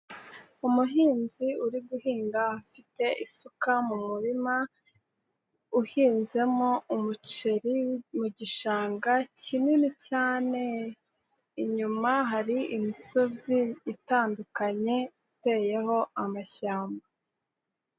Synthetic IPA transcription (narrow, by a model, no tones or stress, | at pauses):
umuɦiːnziuɾiɡuhiːŋɡahafite̞ʔisukamumuɾima | uhiːnze̞moumut͡ʃe̞ɾimuɟiʃaːŋɡacininicaːne̞ | iɲumaɦaɾiʔimiso̞ziːtaːndukaɲe̞ite̞ːje̞ho̞amaçaːmba